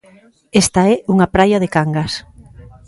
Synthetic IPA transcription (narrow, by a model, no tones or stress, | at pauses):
est̪aɛuŋapɾajɐðekaŋɡas